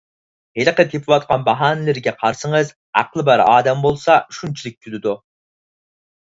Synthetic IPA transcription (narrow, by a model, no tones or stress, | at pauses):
helqət̪ʰepʰɪwɑt̪̚qʰɑnbɑɦɑːnɪlɪɾɡʲɛqʰɑɾsɨŋəz | æ̰qlˠɨbæɾɑ̰ːd̪ɛmbolˠsɑyʃunt͡ʃʰilɪk̚ʲt̪ʲʰylɪd̪u